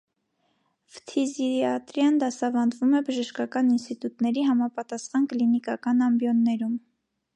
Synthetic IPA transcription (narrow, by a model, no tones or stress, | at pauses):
və̥t̪ʰiziiɑt̪ɾjɑnd̪ɑsɑvɑnd̪vumɛbəʒəʃkɑkɑninst̪it̪ut̪nɛɾiɦɑmɑpɑt̪ɑsχɑnklinikɑkɑnɑmbjɔnːɛɾum